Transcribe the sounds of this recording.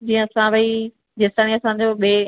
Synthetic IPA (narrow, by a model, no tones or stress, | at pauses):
d͡ʑiːə̃ɐsãʋɐi | d͡ʑɪst̪aːniɐsãɲd͡ʑoːɓe